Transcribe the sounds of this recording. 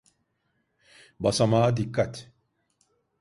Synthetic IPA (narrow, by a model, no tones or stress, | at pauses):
basamad̪ikːat